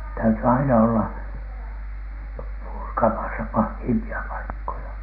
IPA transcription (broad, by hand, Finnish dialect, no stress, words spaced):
tæyty ɑinɑ olːɑ purkɑmɑsɑ pɑhːiːmpiɑ pɑikːojɑ